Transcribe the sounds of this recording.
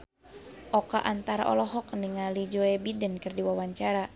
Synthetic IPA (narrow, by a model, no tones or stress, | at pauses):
ʔɔkaʔant̪aɾa̰ʔɔ̰lɔɦɔkniŋalid͡ʒɔɛbidənkɨrdiwawaɲt͡ʃaɾa